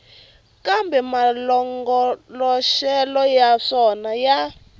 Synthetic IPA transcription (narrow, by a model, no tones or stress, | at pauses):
kambʱɛmalɔŋɡɔlɔʃɛlɔjaʂɔnaja